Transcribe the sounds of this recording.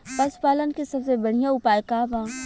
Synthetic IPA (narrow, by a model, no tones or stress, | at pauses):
pɐspaːlənkisɐbsebɐɽ̤ijãʊpaːjkaʋãː